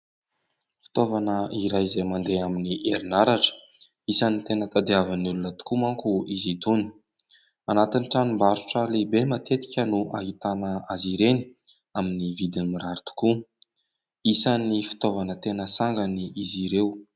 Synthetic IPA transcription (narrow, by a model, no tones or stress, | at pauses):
fi̥t̪ovanəiɾajizejmand̪eaminiʔeɾinaɾaʈ͡ʂə̥ | isanit̪enət̪ad̪iavanulunət̪u̥kumaŋkuizit̪uni̥ | anat̪iniʈ͡ʂanimbaɾuʈ͡ʂalebemat̪et̪i̥kʲənuʔa̰ɦit̪anəaziɾeni̥ | aminivid̪inimiɾaɾit̪u̥ku | isanifi̥t̪ovanət̪enəsaŋɡaniʔiziɾew